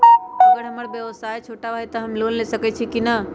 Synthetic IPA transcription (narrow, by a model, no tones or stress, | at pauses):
əɡəɾɦəməɾbjəʋəsajt͡ʃʰoʈabʱait̪əɦəmlonlesəkɛt͡ʃʰikinə